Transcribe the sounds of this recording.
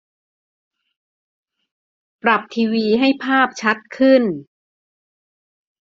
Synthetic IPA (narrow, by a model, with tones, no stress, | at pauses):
pɾa˨˩p̚t̪ʰiː˧wiː˧ɦa˥˩jpʰaː˥˩p̚t͡ɕʰa˦˥t̪̚kʰɯ˥˩n